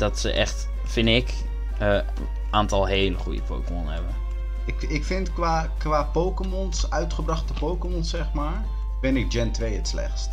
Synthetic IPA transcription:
dɑtsə̰ʔɛχt | fɪndɪk | ə | ʔaːntɑlˠɦejləχujə̰pʰo̰wkəmɔnhɛbən | ɪkɪkfɪntkʋaː | kʋaːpowkəmɔnsœɥtχəbrɑχtəpowkəmɔnsɛχmaːɹ | bɪnɪɡ̚d͡ʒɛntʋejətslɛ̰χst

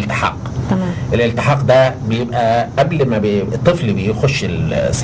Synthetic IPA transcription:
lt̪ɪ̥ħɑ̰ːq̪ː | ʔelʔɪlt̪ɪħɑːqd̪æbɪjebʔæʔæblmæbet̪ˤːɨflbejxoʃːɪls

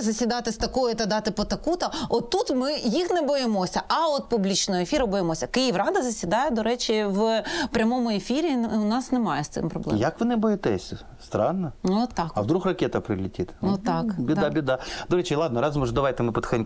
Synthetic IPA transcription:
zɐsʲʋʲɪd̪ɑt̪ɪst̪ɐkɔjʊt̪ɐd̪ɑt̪ɪpɔt̪ɐkut̪ɐɔt̪ːut̪mɪjixnɛbɔjɪmɔsʲɐʔɐɔt̪̚publʲit͡ʃnɔɦɔefʲiɾɐbɔjemɔsʲɐkɪjɪʋrɑd̪ɐzɐsʲʋʲid̪ɑjɛd̪ɔɾɛt͡ʃʲiʋpɾʲɐmɔmʊefʲiɾʲiʊnɑsnemɑjɛst̪sɪ̰mpɾɔ̰blˠɛ̰jɐkʋɪnɪbɔjɪt̪ɛsʲ | st̪ɾɑnːɐt̪ːɑkɐʋd̪ɾuxrɐkʲɛt̪ɐpɾɪlʲɪtʲit̪nut̪ɑkbʲiabʲɪd̪ad̪ɔɾɛt͡ʃilˠɑd̪nɐɾɑzmɔʒd̪ɐʋajt̪ɪmɪpɐt̪xd̪ɪn

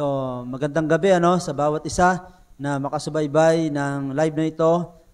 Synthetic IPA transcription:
omɐɡɐnd̪aŋɡɐbɛʔɐno̞sɐbaːwɐt̪ʔɪsa | nɐmɐkɐsʊbajbajnɐŋlajb̚nɐɪt̪o̞

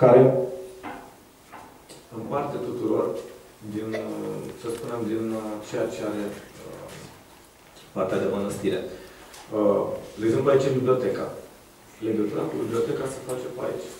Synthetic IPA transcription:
kaɾe̞ | ɨnpart̪et̪ut̪uɾo̞r | d̪insəspunemd̪int͡ʃe̞jat͡ʃe̞aɾe̞ə | part̪ead̪e̞mənəst̪iɾe̞̰ | əleɡzempluait͡ʃɨmbibliot̪e̞ka̰ | leɡət̪uɾakubiblio̞t̪e̞kase̥fat͡ʃepa̰ḭt͡ʃʲ

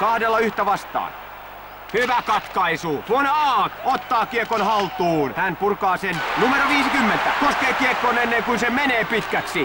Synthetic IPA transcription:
kɑhdelːɑyht̪æʋɑst̪ɑ̰ːn | hyʋækɑt̪kɑisuːt̪uonːeɑːkot̪ːɑːkiekonhɑlt̪uːnhænpurkɑːsennumeɾoʋiːsikymːent̪ækoskeːkiekːonenːeŋkunsemeneːpit̪kæksi

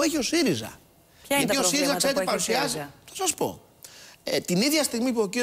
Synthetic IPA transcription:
eçio̞siɾizɐ̰ | ɐt̪io̞siɾizɐkse̞ɾet̪epɐɾusiɐziθosɐspo̞̰ | et̪iniðʝɐst̪iɣmipuoci

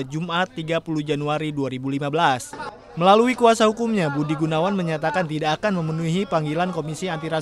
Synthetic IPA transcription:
d͡ʒumʔat̪ːiɡapuluhd͡ʒanuaɾiduaɾibulimabəlas | məlaluikuasahukumɲabudiɡunawanməɲat̪akant̪idaːkanməmənuɦipaŋɡilankomisiant̪iɾa

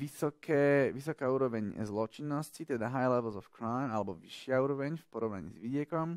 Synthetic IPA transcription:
isɔkʰɛːʋisɔkaːuːɾɔʋɛɲzlɔt͡ʃinːɔscit̪ɛd̪aɦajlɛʋl̩ˠzɔfkɾaɪmalɛbɔʋiʃɪauːɾɔʋɛɲfpɔɾɔʊna̰ɲḭzʋiɟɪɛkɔm

